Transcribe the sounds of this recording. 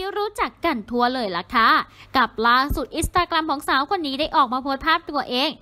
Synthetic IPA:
iː˦˧ɾuː˦˥t͡ɕa˨˩kːa˧˩nt̪ʰu˧ɐlɤː˧jla˧˩kʰa˦˥ka˨˩p̚laː˧˩su˨˩t̪̚ʔi˧˥st̪aː˧kɾa˧mkʰɔː˩˦ŋsaː˨˩˦wkʰo˧nːiː˦˥daː˥˩jʔɔː˨˩k̚maː˧pʰoː˦˥t̪̚pʰaː˥˩p̚t̪u˧ɐʔeː˧ŋ

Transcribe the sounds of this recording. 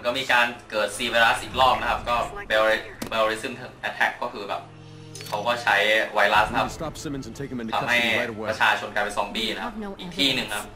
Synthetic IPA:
nkɔː˥˩miː˧kaː˧nkɤː˨˩t̪̚siː˧weː˧ɾa˦˥sʔiː˨˩klɔː˥˩k̚na˦˥kʰa˦˥p̚kɔː˥˩beː˧i˦˥beː˧i˦˥sɯ˥˩mt̪ʰŋʔɛ˧˥t̪ʰɛ˦˩˥kːɔː˥˩kʰɯː˧bɛ̰˨˩p̚ | kʰa˦˥wkɔː˥˩t͡ɕʰa˦˥jwa˧jla˦˥sn˧kʰa˥stsɪm̃nzʰektʰa˧mha˥˩ɾa˧t͡ɕʰaː˧t͡ɕʰo˧nklaː˧jpe˧nsɔː˩˦ŋbiː˥˩na˦˥a˦˥pʔiː˨˩k̚t̪ʰiː˥˩nɯ˨˩ŋkʰa˦˥p̚

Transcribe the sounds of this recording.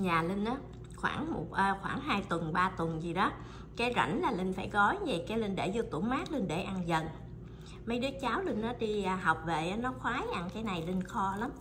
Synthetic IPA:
ɲaː˨˩li˧ŋ̟ʔaː˨˦ | xwa̰ː˧˩ŋmo̰˨˩t̚ʔəː˧xwaː˧˩ŋɦaː˧jt̪wə˨˩nɓaː˧t̪wə˨˩nzi˨˩ɗɔ˨˦ | kaː˨˦jza̰˧˩jŋ̟laː˨˩lï˧ŋ̟faː˧˩jɣɔ˨˦jɲe˨˩kaː˨˦jli˧nɗḛ˧˩zu˧t̪ṵ˧˩əmaː˦˥k̚lɨ˧nɗḛ˧˩ʔa˧nzə̰˧˩n | mə˨˦jɗɨ˨˦t͡ɕaː˨˦wli˧n̟ʔaː˨˦ɗi˧əː˧˩ɦa˨˩wk͡p̚ve˨˩ʔa˨˦nɔ˨˦xwaː˨˦jʔa˧nkaː˨˦jna˨˩jli˧ŋ̟xɔ˧la˨˦m

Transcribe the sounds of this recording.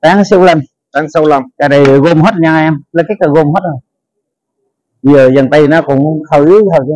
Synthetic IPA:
t̪aː˨˦ŋsa˧wla˧˩m | t̪aː˨˦ŋsa˧wla˨˩mkaː˨˩ɗə˨˩˨ɣo˧mɦo˦˥t̚ɲaː˧ʔɛ˧mlə˨˧˩kaː˨˦ka˨˩ɣo˧mho˦˥t̚ʔə˨˩ | ɓi˧zəː˨˩zə˨˩nt̪ə˧jna˧kʊ̰˨˧˦ŋ͡mxə˧˩jxə˧˩˦j

